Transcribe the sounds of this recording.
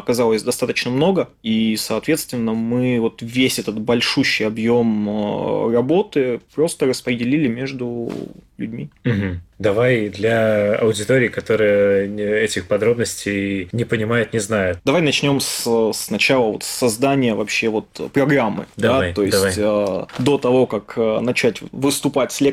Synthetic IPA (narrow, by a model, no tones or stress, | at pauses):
ɐkɐzalˠəsʲd̪ɐst̪at̪ət͡ɕnəmno̞ɡə | isɐːt̪vʲe̞t̪st̪vʲɪnːəmɨvo̞t̪vʲesʲɛt̪ət̪̚bɐlʲʂuɕːɪjɐbjo̞m̰ | rɐbo̞t̪ɨpɾo̞st̪ərəspɾʲɪdʲɪlʲilʲɪmʲe̞ʐd̪ʊlʲʉ̰dʲmʲim̩ɦm̩d̪ɐvajd̪lʲɐɐ̰ʊdʲɪt̪oɾʲɪːkɐt̪o̞ɾɨjəɛtʲɪxpɐd̪ɾo̞bnəsʲtʲejnʲɪpənʲɪmajʊt̪nʲɪznajʊt̪̚d̪ɐvajnɐt͡ɕnʲo̞mssnɐt͡ɕalˠəvo̞t̪sːɐzd̪anʲɪjəvɐpɕːe̞vo̞t̪pɾɐɡɾamːɨ̰d̪at̪o̞jɪsʲtʲəd̪o̞t̪ɐvo̞kakənɐt͡ɕætʲvɨst̪ʊpatʲsʲlʲe